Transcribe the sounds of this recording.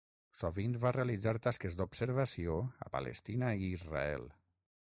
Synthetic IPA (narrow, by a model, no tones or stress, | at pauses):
soβinβarealid͡zaɾt̪askezd̪obsəɾβasioə̰pa̰lʔḛst̪inaiːzra̰ɛ̰lˠ